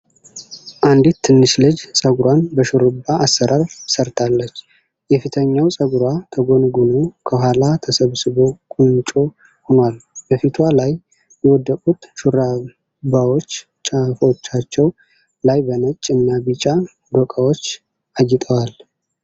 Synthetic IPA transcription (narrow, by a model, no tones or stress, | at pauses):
ʔand̪it̪ʰːɨnːɨʃlɨd͡ʒsʼəɡɾwanbəʃuɾɨbːaasːəɾaɾsəɾt̪ʰalːət͡ʃː | jɛfit̪ʰəɲːawsʼəɡɾwat̪ʰəɡo̞nɡunokʰəɦalat̪ʰəsəβsɨβo̞kʼunt͡ʃʼo̞ | honwalb̥əfit̪ʰwalaj | jɛwɔd̪ːəkʼut̪ʃuɾa | bawo̞t͡ʃː | t͡ʃʼːafo̞t͡ʃːat͡ʃːɛw | lajbənət͡ʃʼːɨnːabit͡ʃʼa | d̪okʼawo̞t͡ʃː | ʔajːɪt̪ʼʰəwal